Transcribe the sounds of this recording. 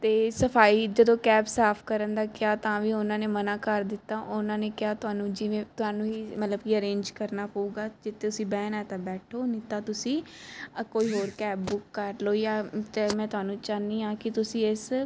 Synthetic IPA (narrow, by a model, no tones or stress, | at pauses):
t̪eːsəpʰaːiːd͡ʒəd̪õːkɛːbsaːpʰkəɾənd̪aːkɪaːt̪ãːʋiːʊnãːneːmənãːkəɾd̪ɪt̪ːaːʔʊnãːneːkɪjaːt̪ʊɦaːnũːd͡ʒɪʋẽːt̪ʊɦaːnũːiːmət̪ləbkiːəɾẽːɲd͡ʒkəɾnaːpəuːɡaːd͡ʒɪt̪ʰːeːʊsĩːbɛːnɛːt̪ãːbɛːʈʰoːniːt̪aːt̪ʊsĩːkoːiːɦoːɾkɛːbbʊkːəɾloːjaːt̪eːmɛ̃ːt̪ʊɦaːnũːt͡ʃaːniːãːkɪt̪ʊsĩːɪs